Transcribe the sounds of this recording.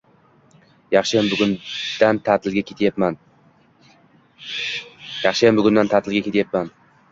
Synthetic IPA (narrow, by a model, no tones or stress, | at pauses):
jɑχʃɪjambʊɡʊd̪̥ant̪ʰat̪ʰɪlɡʲakʲʰet̪ʰjapman | jɑχʃɪjambʊɡʲʊnd̪ant̪ʰat̪ʰɪlɡʲakʲe̞t̪japman